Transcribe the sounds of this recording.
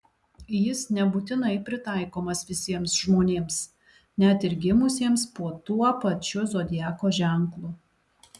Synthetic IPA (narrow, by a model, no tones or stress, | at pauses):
jɪsnʲɛbuːt̪ʲɪnɐɪpʲɾʲɪt̪ɑˑɪkoːmɐsʋʲɪsʲiɛmsʒmoːnʲeːms | nʲɛt̪ɪɾʲɡʲɪmʊsʲiɛmspuɔt̪uɔpɐt͡ʃʲʊzoːd̪ʲɪjæːkoːʒʲɛˑŋˑklˠʊ